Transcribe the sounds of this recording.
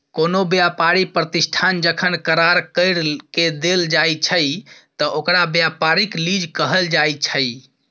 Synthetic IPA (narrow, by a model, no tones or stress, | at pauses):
konobjapaɾipɾət̪isʈʰand͡ʒəkʰənkəɾaɾkəɪɾked̪eld͡ʒajt͡ʃʰəjt̪ɔʔokɾabjapaɾiklid͡ʒkəɦəld͡ʒajt͡ʃʰəj